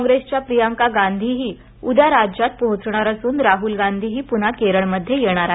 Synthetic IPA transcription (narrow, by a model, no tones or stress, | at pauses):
kɔŋɡɾest͡ɕjapɾijaŋkaɡand̪ʱiɦiː | ud̪aɾad͡ʑjat̪̚pɔɦut͡sɳaɾəsuːnɾaɦulɡand̪ʱiɦiːpun̤akeɾəɭməd̪ʱːjejeɽ̃aɾaɦe